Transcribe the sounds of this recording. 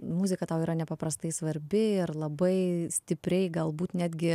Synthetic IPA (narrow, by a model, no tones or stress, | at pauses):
mʊzʲɪkɐt̪ɑʊiːɾɐnʲɛpɐpɾɐst̪ɐɪsʋɐɾʲbʲɪɪɾlˠɐbɐɪsʲt̪ʲɪpʲɾʲɛɪɡɐlˠbuːt̪nʲæːd̪ʲɡʲɪ